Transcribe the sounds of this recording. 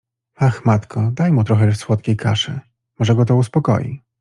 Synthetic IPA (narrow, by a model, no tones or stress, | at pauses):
axmat̪kʰɔd̪ajmut̪ɾɔxɛswɔt̪kʲejkʰaʂɘ̰ | mɔʐɛɡɔt̪̬ɔuspɔkɔ̰jḭ